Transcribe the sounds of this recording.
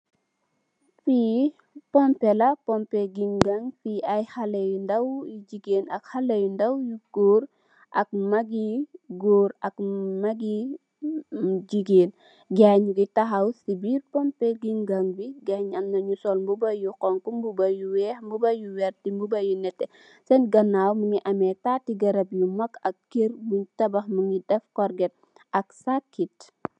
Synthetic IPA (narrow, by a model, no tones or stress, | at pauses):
fi | pɔmpɛlɐpɔmpɛɡiŋɡaŋfiajhalɛjundɐwjid͡ʒiɡeːnɐkhalɛjundɐwjuɡ̥oːɾ | ʔɐk̚mɐɡiɡoːɾɐkmaɡi | d͡ʒiɡeːn | ɡaɲuɡitaɦɐwsibiɾpɔmpɛɡiŋɡaŋwiɡaɲɐmnɐɲusɔlmbubɐjukɔŋkumbubɐjuwɛhmbubɐjuwɛɾtimbubɐjinɛtːɛ | sɛnɡɐnːaːwmuŋiʔɐmɛtaːtiɡɐɾɐbjumɐkɐk̚ːeɾmuntɐbɐxmuŋɡidɛfkɔɾɡɛt̚ | ɐksakːit